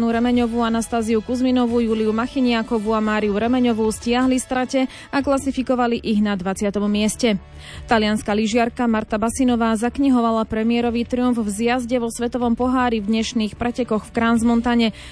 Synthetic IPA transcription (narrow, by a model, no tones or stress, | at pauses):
nuɾɛmɛɲɔʋuanast̪aːziukuzminɔʋujuːliumaxiɲɪakɔʋuamaːɾiuɾɛmɛɲɔʋuscɪaɦlist̪ɾacɛ | aklasifikɔʋaliʔiɣnad̪ʋat͡sɪat̪ɔmmɪɛscɛ | t̪alɪanskaliʒɪaɾkamaɾt̪abasinɔʋaːzakɲiɦɔʋalapɾɛmiɪɛɾɔʋit̪ɾiuɱvvzjazɟɛʋɔsʋɛt̪ɔʋɔmpɔɦaːɾivd̪ɲɛʃniːxpɾɛcɛkɔxfkɾaːnzmɔnt̪aɲɛ